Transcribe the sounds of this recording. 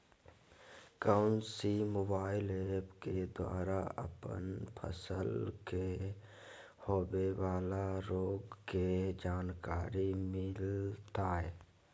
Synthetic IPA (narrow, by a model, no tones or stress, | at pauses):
kaʊnsimoːbaːɪleːpked̪wa̰ːɾaə̰pə̰npʰə̰səlke | hoːbewaːlaɾoːɡked͡ʒaːnkaːɾimɪlt̪aːɦɛː